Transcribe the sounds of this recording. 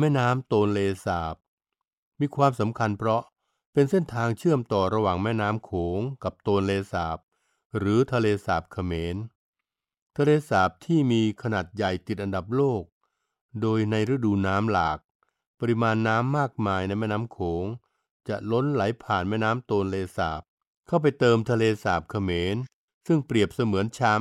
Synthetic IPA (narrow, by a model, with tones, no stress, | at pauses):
mɛː˥˩naː˦˥mt̪oː˧nleː˧saː˨˩p̚ | miː˧kʰwaː˧msa˩˦mkʰa˧npʰɾɔ˦˥ | pe˧nse˥˩nt̪ʰaː˧ŋt͡ɕʰɯ˥˩əmt̪ɔː˨˩ɾa˧waː˨˩ŋmɛː˥˩naː˦˥mkʰoː˩˦ŋka˨˩p̚t̪oː˧nleː˧saː˨˩p̚ | ɾɯː˩˦t̪ʰa˧leː˧saː˨˩p̚kʰa˧meː˨˦n | t̪ʰa˧leː˧saː˨˩p̚t̪ʰiː˥˩miː˧kʰa˧naː˨˩t̪̚ja˨˩jt̪i˨t̪̚ʔa˧nda˨˩p̬̚loː˥˩k̚ | doː˧jna˧jɾɯ˦˥˩duː˧naː˦˥mlaː˨˩k̚ | pa˧ɾi˧maː˧nːaː˦˥mːaː˥˩k̚maː˧jna˧jmɛː˥˩naː˦˥mkʰoː˩˦ŋ | t͡ɕa˨˩ʔlo˦˥nla˩˦jpʰaː˨˩nmɛː˥˩naː˦˥mt̪oː˧nleː˧saː˨˩p̚ | kʰa˥˩wp̬a˧jt̪ɤː˧mt̪ʰa˧leː˧saː˨˩p̚kʰa˧meː˧n | sɯ˥˩ŋpɾi˨˩əp̚sa˧mɯ˩˦ənt͡ɕʰa˦˥